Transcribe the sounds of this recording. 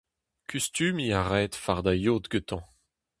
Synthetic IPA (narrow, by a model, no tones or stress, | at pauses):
kʰyst̪yːmiaʁɛːt̪faʁd̪ajoːt̪ɡøt̪ɑ̃